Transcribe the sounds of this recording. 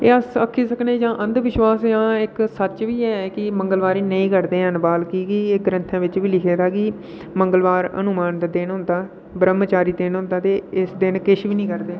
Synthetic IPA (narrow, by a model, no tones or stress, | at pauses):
eːəsəkʰːiːsəkneːd͡ʒãːʔə̃nd̪ʋɪʃwaːsjãːɪksət͡ʃʋiːɛːkɪməŋɡəlʋaːɾiːnəĩːkəɾd̪eːɦənbaːlkiːkieːɡəɾə̃nt̪ʰãːʋɪt͡ʃʋiːlɪkʰeːd̪aːkɪ | məŋɡəlʋaːɾə̰nʊmaːnd̪aːd̪ɪnɦʊ̃nd̪aː | bəɾəmt͡ʃaːɾiːd̪enɦʊ̃nd̪aːt̪eːɪsd̪ɪnkɪʃʋiːnĩːkəɾd̪eː